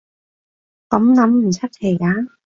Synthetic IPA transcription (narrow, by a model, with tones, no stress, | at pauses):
kɐ˨˥mlɐ˨˥mm̩˨˩t͡sʰɐ˥t̚kʰe˨˩jkaː˨˥